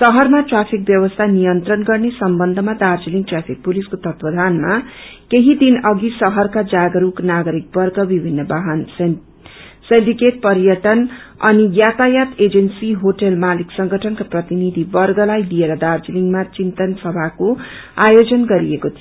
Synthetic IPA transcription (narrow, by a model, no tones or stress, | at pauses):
sʌɦʌrmaʈrapʰik̚bjʌbʌst̪ʰanijʌnt̪rʌnɡʌrnesʌmbʌnd̪ʱʌmad̪ard͡ziliŋɡʈrapʰik̚puliskot̪ʌt̪wʌd̪ʱanma | keɦid̪inʌɡisʌɦʌrkad͡zaɡʌɾuknaɡʌɾik̚bʌrɡʌbibʱinːʌbaɦan | sendikeʈ̚pʌɾijʌʈʌn | ʌ̰nijat̪ajat̪ed͡zensiɦoʈʌlmaliksʌŋɡʱʌʈʰʌnkaprʌt̪inid̪ʱibʌrɡʌlajlieɾʌd̪ard͡ziliŋɡmat͡sint̪ʌnsʌbʱako | ajod͡zʌnɡʌɾiekot̪ʰio